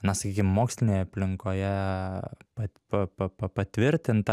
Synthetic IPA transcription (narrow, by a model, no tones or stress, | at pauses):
nɐsɐkʲiːkʲɪmmoːksʲlʲɪnʲeːjɛɐpʲlʲɪŋkoːjɛ | pɐtpɐpɐpɐpɐt̪ʲʋʲɪɾʲt̪ʲɪnt̪ɐ